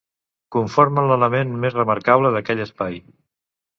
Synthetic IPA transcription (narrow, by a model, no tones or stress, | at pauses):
kuɱfoɾmənlələmenmezrəməɾkaβləðəkɛʎəspaj